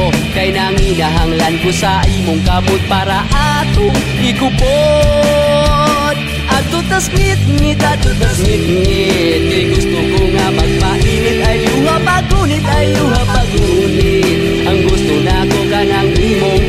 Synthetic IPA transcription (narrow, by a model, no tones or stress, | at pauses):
kajnaŋinaɦaŋlankosaʔimoŋkabʊt̪̚paɾaʔat̪ʊŋ | ɪɡʊbo | d̪̚ | ʔat̪ʊt̪asŋɪt̪̚ŋɪt̪at̪ʊt̪asŋɪt̪̚ŋɪt̪̚kajɡʊst̪ʊkoŋamaɡ̚paʔinɪt̪̚ajʊŋapaɡunɪt̪ajuŋapaɡu | nɪ | t̪̚ | ʔaŋɡʊst̪ʊnakoɡanaŋʔiːmo